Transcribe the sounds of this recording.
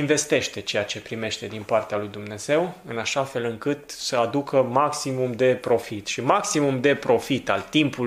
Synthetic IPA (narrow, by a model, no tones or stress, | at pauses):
inve̞st̪e̞ʃt̪e̞t͡ʃe̞jat͡ʃe̞pɾime̞ʃt̪e̞d̪inpart̪ealujd̪umne̞z̥e̞wɨnaʃafe̞lɨŋkɨt̪səad̪ukʰəmaksimumd̪e̞pɾo̞fit̪ʃimaksimumd̪e̞pɾo̞fit̪alt̪impul